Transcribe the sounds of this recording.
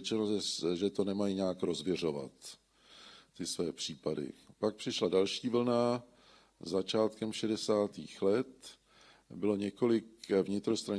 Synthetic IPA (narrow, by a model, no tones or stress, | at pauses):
ɛt͡ʃɪnozɛʒɛt̪o̞nɛmajiɲaːkɾo̞zvjɛr̝o̞va̰t̪ | ɪsvɛːpr̝̥iːpadɪ̰pak̚pr̥ɪʃladalʃiːvl̩na | zat͡ʃaːt̪kɛmʃɛdɛsaːt̪ḭːxlɛt̪ | bɪlo̞ɲɛko̞lɪkvɲɪt̪ɾo̞st̪ɾa